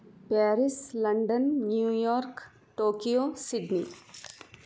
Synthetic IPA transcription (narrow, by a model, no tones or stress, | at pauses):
pɛːɾɪslɐ̃ɳɖənːjuːjɔːɾk | ʈoːkijosɪɖniː